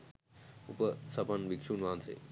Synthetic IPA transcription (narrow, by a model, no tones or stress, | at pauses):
upəsɐpənʋikʂuːnʋãːnsḛː